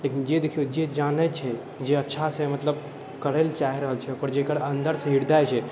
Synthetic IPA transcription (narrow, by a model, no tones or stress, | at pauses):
leːkind͡ʒed̪ekʰijod͡ʒed͡ʒaːnət͡ʃʰɛ | d͡ʒeɐtːʃʰasemɐt̪ləb | kəɾelt͡ʃaːɦiɾəɦəlt͡ʃʰɛpɔɾd͡ʒeːkəɾə̃nd̪əɾseɦiɾd̪ajt͡ʃʰɛ